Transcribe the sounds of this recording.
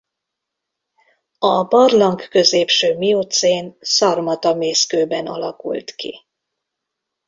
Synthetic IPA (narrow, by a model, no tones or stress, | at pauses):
ɒbɒrlɒŋkkø̞zeːpʃøːmiot̪seːnsɒrmɒt̪ɒmeːskøːbɛnɒ̰lɒkṵlt̪kḭ